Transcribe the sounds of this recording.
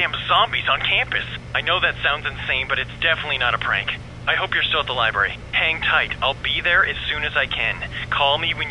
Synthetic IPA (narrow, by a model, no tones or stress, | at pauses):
ɨ̃mzɑ̃mbizn̩kʰæ̃mpɨsaɪnoʊðɨtsãʊ̃ndzɨ̃n̩ðəsẽɪ̃mbʌɾɨtsd̥ɛfənɨtˡlinəɾəpʰɹ̥æ̰̃ŋk | aɪɦoʊpjə˞stɪlˠət̪̚ðəlaɪbɹɛ̰ɹḭ | hæ̃ŋtʰaɪɾaɪlˠbiðə˞ʔɨz̥sʉ̃nɨzaɪkʰɨ̃nkʰɔlˠmiwɨ̃n